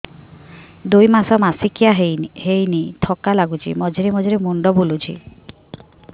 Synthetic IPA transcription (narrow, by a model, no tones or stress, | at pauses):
d̪ujmasɔmasikijaɦhejnit̪ʰɔkalaɡut͡ʃʰḭmɔd͡ʒiɾemɔd͡ʒɔɾemuɳɖɔbulut͡ʃʰḭ